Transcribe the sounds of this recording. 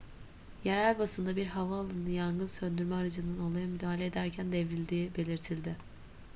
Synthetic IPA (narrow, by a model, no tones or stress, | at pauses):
jeɾælʲbasɯnd̪abiɾɦavaːlˠɯnɯjanɡɯnsønd̪yɾmɛaɾad͡ʒɯnd̪ano̞lˠajamyd̪aːɦlʲed̪æɾcʰænd̪ɛvɾilʲd̪iːbe̞lʲiɾt̪ʰilʲd̪ɪ